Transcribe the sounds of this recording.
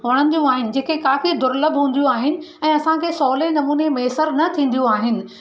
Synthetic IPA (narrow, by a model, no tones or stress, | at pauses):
ʋɐɽ̃ə̃nd̪ijũaːɦɪnɪ̆d͡ʑeːkekaːfid̪ʊɾləbʱɦũːn̆d̪ijũaːɦɪnɪ̆ɛ̃ːɐsãkʰeːsɔːlenɐmuːnemeːsəɾnɐt̪ʰĩːn̆d̪ijũaːɦɪnɪ̆